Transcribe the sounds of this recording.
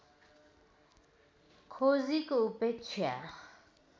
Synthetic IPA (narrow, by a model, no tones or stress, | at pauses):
kʰozikʼoupɛt͡sʰja̰